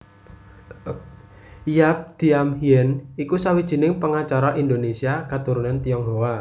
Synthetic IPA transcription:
jap̚d̪̥i̤amhiɛnikusawid̥ʒ̥i̤nɪŋpəŋat͡ʃaɾaʔind̪onesiakat̪uɾunant̪iɔŋɦowa

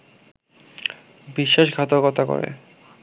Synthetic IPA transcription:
biʃːaʃɡʱat̪oɾkɔt̪ako̰ɾḛ

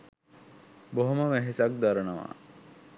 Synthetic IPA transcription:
boɦoməmæɦesak̚d̪aɾənəʋa̰

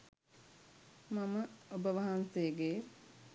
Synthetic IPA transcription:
maməobəʋaɦansejəɡe

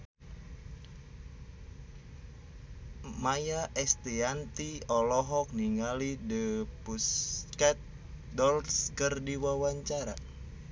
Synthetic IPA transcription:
majaʔɛst̪iant̪iɔlɔɦɔk̚niŋalidəpuskɛt̪̚ | dɔlskərdiwawaɲt͡ʃaɾa̰

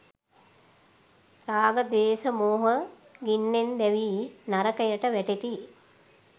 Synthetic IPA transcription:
ɾaːɡəd̪eːsəmoːɦə | ɡinːend̪ɛʋiːnaɾəkəjəʈəʋæʈet̪i

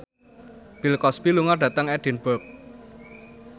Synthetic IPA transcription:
b̥ilkɔspiluŋaɖ̥ä̤t̪əŋɛɖ̥i̤nb̥ək̚

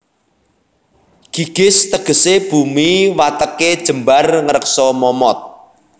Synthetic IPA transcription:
ɡ̥i̤ɡ̥ɪ̤st̪əɡ̥ə̤seb̥umiwat̪əked̥ʒ̥ə̤mbarŋəɾəksɔmɔmɔt̪̚

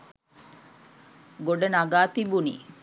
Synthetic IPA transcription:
ɡoɖənaɡaːt̪ibunḭ

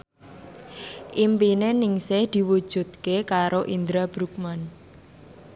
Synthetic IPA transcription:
ʔimpinenɪŋsɪhd̪̥i̤wud̥ʒ̥ṳt̪̚kekaɾoʔind̪ɾab̥ɾuk̚man

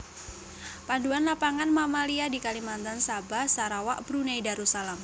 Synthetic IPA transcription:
panduanlapaŋanmamaliadikalimant̪ansabahsaɾawaʔb̥ɾuneidaɾusalam

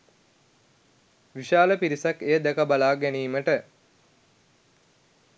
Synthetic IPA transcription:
ʋiʃaːləpiɾisakejəd̪ɛkəbalaːɡæniːməʈə

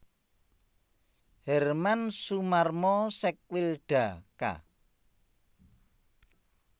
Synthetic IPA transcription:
hɛrmansumarmɔsɛk̚wilɖ̥a̤ka̰

